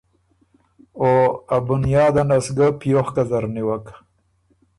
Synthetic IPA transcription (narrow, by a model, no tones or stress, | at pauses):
oabʊnjɑːd̪anasɡapijoxkazaɾniwak